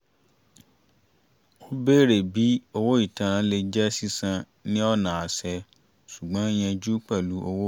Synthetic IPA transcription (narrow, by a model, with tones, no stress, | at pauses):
o˦be˦˨ɾe˨bi˨˦o˧wo˦i˦˨tã˨ɾ̃ã˨˦le˧d͡ʒɛ˦si˦sã˧ | nĩ˦ɔ˦˨nã˨a˨sɛ˧ | su˨ɡ͡bã˨˦e˦j̃ɛ̃˧d͡ʒu˦k͡pɛ˦˨lu˨˦ʔo˧wo˦